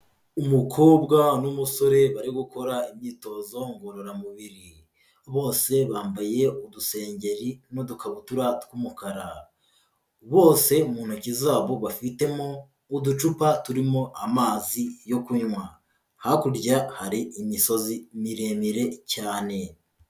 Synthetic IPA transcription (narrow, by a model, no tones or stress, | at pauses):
umukʰo̞ːbɡanumuso̞ɾe̞βaɾiɡuko̞ɾaimɲiːto̞ːzo̞ŋɡoɾoɾamuβiɾi | βo̞ːse̞βaːmbaje̞oduse̞ːɲɟe̞ɾinodukaβutuɾatkumukaɾa | βo̞ːse̞umuːn̥hucizaːβo̞βafite̞moː | dut͡ʃupatuɾimo̞ʔamaːzijo̞kuɲwa | hakuɾɟahaɾiʔimiso̞zimiɾemiɾe̞caːne̞